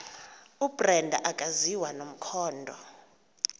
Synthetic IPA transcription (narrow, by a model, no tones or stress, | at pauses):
ubrɛndʱaʔakʼaziwanom̩kʰɔːndʱɔ